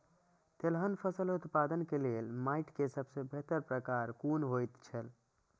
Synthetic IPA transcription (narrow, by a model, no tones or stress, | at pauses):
t̪elɦənpʰəsəlut̪pad̪ənkelelmaiʈkesəbʱsebʱet̪əɾpɾəkaɾkunɦojt̪t͡ʃʰəl